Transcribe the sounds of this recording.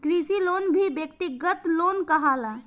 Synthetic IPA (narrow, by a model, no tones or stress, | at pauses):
kɾisilonbʱibjəkt̪iɡət̪lonkəɦala